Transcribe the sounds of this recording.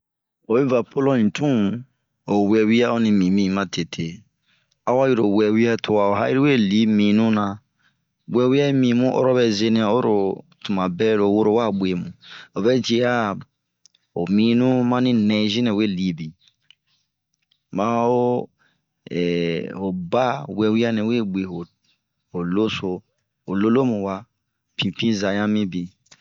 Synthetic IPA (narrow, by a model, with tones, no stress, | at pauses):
o˨be˦va˨pʰo˦lɔ̃˦nĩ˨tũ˦ | o˨wɛ˨wi˦a˦o˦nĩ˧mĩ˨mĩ˦˨mã˦tʰe˨tʰe˨ | a˦wa˦ji˦ɾo˨wɛ˨wi˦a˦tʰo˧wa˨o˨ɦa˦ji˦ɾi˦we˦li˨˦mĩ˨nũ˦nã˧ | ɡ͡bɛ˨wi˦a˦i˦mĩ˨mũ˦ʔo̰˦ɾɔ˦bɛ˧˨ze˦nĩ˦a˨o˦ɾo˨tu˨mã˨bɛ˦ɾo˨wo˦ɾo˦wa˦˨ɡ͡bʷe˨mũ˨o˨bɛ˦d͡ʒi˧˦a˦ | o˨mĩ˨˦nũ˦mã˦nĩ˦nɛ̃˨˦zĩ˦nɛ̃˨we˦˨li˨˦bi˨ | mã˦o˦ | ɛ̰˨o˨ba˦wɛ˨wi˦a˦nĩ˨we˦˨ɡ͡be˨ɦo˨ | o˨lo˦so˨ | o˨lo˦lo˦mũ˨wa˦ | pʰĩ˨pĩ˦za˨ɲã˦mĩ˦bi˨